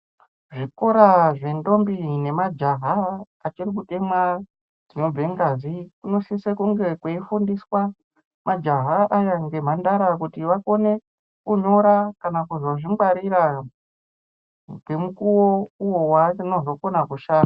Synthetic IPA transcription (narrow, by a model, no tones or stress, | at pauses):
ʐiko̞ɾaʐe̞ndo̞mbine̞mad͡ʒaɦaː | t͡ʃirik̬ute̞mwa | d͡zino̞b͡ve̞ŋɡazikuno̞sisekuŋɡe̞kweifundiswa | mʔad͡ʒaɦaʔajaŋɡe̞m̤andaɾakutiʋako̞ne̞ | kuɲo̞ɾakanakuzoʐimɡ͡baɾiɾa | kwemukuwo̞uwo̞wano̞zo̞konakuʃaːa